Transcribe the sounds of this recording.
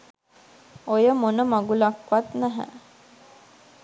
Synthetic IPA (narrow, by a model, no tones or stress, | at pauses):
ojəmonəmaɡulakʋat̪næɦæ̰